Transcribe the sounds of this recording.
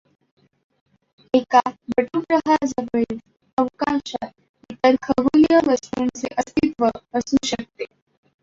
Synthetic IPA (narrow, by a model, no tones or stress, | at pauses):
ekabəʈupɾəɦad͡zəʋel | əʋkãɕat̪ | it̪əɾkʰəbulijəɾəst̪unt͡sḛʔəst̪it̪ʋəəsuɕək̚t̪e